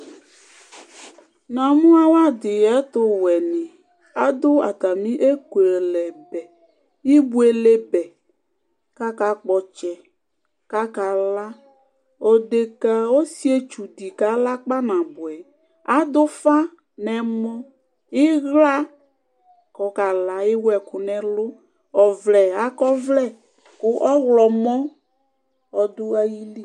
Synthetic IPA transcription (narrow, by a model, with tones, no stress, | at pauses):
nã˨mũ˦a˦wa˦d̪ɪ˨jɛ˦t̪o˦wɛ˨nĩ˨ | a˦d̪ʊ˦a̰˨t̪a˨mĩ˦ʔe˦ke˨lɛ˨bɛ˨ | ji˦bu˦e˨le˦bɛ˨ | ka˦ka˨k͡pɔ˨t͡ʃɛ˨ | ka˦ka˨la˦ | o˨ɖe˨ka˨o˦si˦e˦t͡ʃu˨di˨ka˨˦la˦k͡pa˦nã˨bʊ˨ɛ˨ | a˦d̪ʊ˦fa˦ | nɛ˨mɔ˦ | ɪ˦ɣla˦ | kɔ˨˦ka˨la˨ɪ˦wɛ˨kʊ˨nɛ˨lʊ˦ | ɔ˨vlɛ˨a˦kɔ˦vlɛ˦˨ | kʊ˦ʔɔ˦ɣlɔ˨mɔ˦ | ɔ˨dʊ˦a˦ji˦li˦